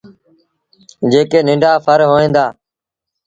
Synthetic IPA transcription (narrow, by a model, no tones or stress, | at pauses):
d͡ʒeːkeːnɪ̃ɳɖʱaːpʰəɾɦoːẽːnd̪aː